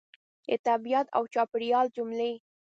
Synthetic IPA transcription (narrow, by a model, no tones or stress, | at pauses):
ḛt̪abijat̪a̰wt͡ʃɑpɪɽjɑld͡ʒʊmle